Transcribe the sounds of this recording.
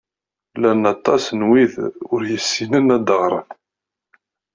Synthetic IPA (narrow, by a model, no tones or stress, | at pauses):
lænɑt̪ˤːɑsnwiðʊɾjəsːinənæd̪əʁɾˤə̰n